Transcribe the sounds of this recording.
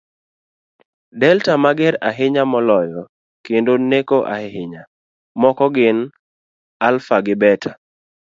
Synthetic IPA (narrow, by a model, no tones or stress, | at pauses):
dɛltamaɡɛɾaɦɪɲamɔlɔjɔ | kendonekoʔa̰hɪhɪɲa | mɔkɔɡɪn | alfaɡɪbɛta